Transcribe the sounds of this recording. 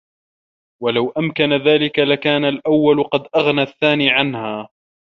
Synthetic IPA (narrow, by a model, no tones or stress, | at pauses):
walawʔamkanaðaːlɪkalakaːnalʔawːalʊqɑd̪ʔaɣnaθːaːniːʕanhaː